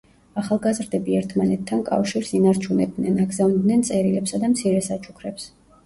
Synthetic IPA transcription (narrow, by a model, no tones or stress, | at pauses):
aχalˠɡazɾd̪ɛbiɛɾt̪ʰmanɛt̪ʰːankʼa̰fʃiɾsinaɾt͡ʃʰunɛb̚d̪nɛnaɡzavnd̪nɛnt̪sʼɛɾilɛpsad̪amt̪sʰiɾɛsat͡ʃʰu̥kʰɾɛps